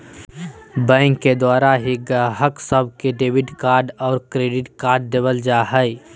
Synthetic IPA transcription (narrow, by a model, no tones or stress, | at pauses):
bɛ̃ːŋkːed̪waːɾaɦiɡəɦəksəbʱkeɖeːʋɪɖkaːɾɖɔːɾkɾeːɖɪʈkaːɾɖd̪eːbəld͡ʒaːɦəj